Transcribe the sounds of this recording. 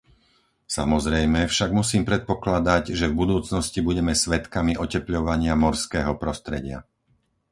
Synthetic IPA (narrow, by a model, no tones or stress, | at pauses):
sa̰mɔzɾɛjmɛfʃaɡmusiːmpɾɛt̪̚pɔklad̪aɟʒɛvbud̪uːt͡snɔscibuɟɛmɛsʋɛt̪kamiʔɔcɛpʎɔʋaɲɪamɔɾskɛːɦɔpɾɔst̪ɾɛɟɪa̰